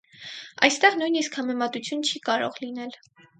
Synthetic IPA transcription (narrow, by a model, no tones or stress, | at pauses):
ɑ̰jst̪ɛʁnujniskhɑmɛmɑt̪ut͡sʰjunt͡ʃʰikɑɾɔ̰ʁlinɛl